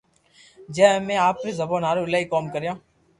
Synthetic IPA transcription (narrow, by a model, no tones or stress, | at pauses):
d͡ʒɛːmẽːaːpːɾiːzəboːnaːɾuːɪlaːiːkoːmkəɾjãː